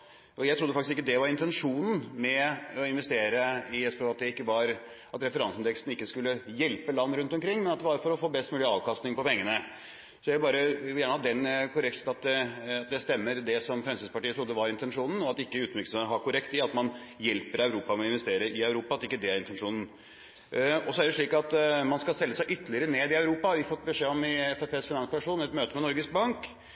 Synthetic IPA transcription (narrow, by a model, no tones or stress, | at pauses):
ʔɔjæɪt̪ʰɾʊd̪ːəɑkt̪ɪsɪkːəd̪ɛʋɑɾɪnt̪ɛnʂuːnn̩mɛɔɪnʋɛst̪eːɾəɪɛspʰøʋɑt̪d̪ɛɪkːəʋɑɾ | ɑt̪ɾɛfəɾɑnsɪnd̪ɛkst̪n̩ɪkːəskʉlːəjɛlpəlɑnːɾʉnt̪ɔmkɾɪŋːmɛnɑt̪d̪ɛbɑːɾəfɔɾɔfoːbɛst̪mʉːlɪɑːʋkʰɑst̪nɪŋpɔpɛŋːənə | sɔjæɪbɑːɾəjæːɳəhɑt̪̚d̪ɛnːkʰʊɾɛkt̪ɑt̪̚d̪ɛɑt̪̚d̪ɛst̪ɛmːəɾd̪ɛsɔmfɾɛmsɪspɑʈiːət̪ʰɾʊd̪ːəʋɑɾɪnt̪ɛnʂuːnn̩ɔɑt̪ɪkːəʉːt̪mʏɾksɔmet̪əɦɑɾkʰʊɾɛkt̪ɪɑt̪mɑnjɛlpəɾœʉɾuːpɑmɛɪnʋɛst̪eːɾəɪœʉɾuːpɑt̪ɪkːəd̪ɛæɾɪnt̪ɛnʂuːnn̩ | ɔsɔæɖɛʂɭiːkɑt̪mɑnskɑlsɛlːəsæɪʔʏt̪ːəlɪəɾəneːd̪ɪɑʉɾuːpɑʋɪfɔt̪ːbəʂeːɔmɪɛfɛpeːsfɪnɑnsplɑʂuːnɛt̪møːt̪əmɛnɔɾɡəsk̚bɑŋk